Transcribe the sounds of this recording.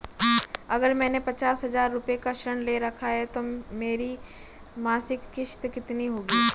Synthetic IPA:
ɐɡəɾmɛ̃ːnepɐt͡ʃaːsɦɐzaːɾːʊpekaʃəɳ̃leɾɐkʰaɦɛt̪omeːɾi | maːsɪkːɪʃt̪kɪt̪niɦoːɡiː

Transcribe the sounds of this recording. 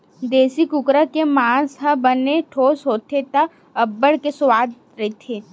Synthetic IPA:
d̪eːsikʊkɾakemãːsɦãbəneʈʰoːsɦoːt̪ʰet̪a | əbːəɽkesʊwaːd̪ | ɾɐet̪ʰeː

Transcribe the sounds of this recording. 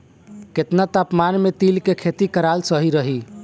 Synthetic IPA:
ket̪nat̪apmanmet̪ilkekʰet̪ikəɾalsəɦiɾəɦi

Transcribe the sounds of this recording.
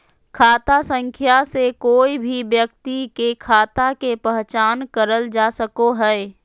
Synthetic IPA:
kʰaːt̪asə̃ŋkʰjasekoːibʱibjək̚t̪ikekʰaːt̪akepəɦt͡ʃaːnkəɾəld͡ʒaːsəkoɦɛː

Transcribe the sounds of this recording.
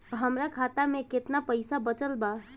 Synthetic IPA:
ɦəmɾakʰat̪amẽket̪napəɪsabət͡ʃəlba

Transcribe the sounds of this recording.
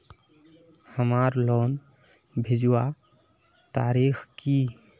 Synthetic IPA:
həmaɾlɔn | bʱed͡ʒuwa | t̪aɾixki

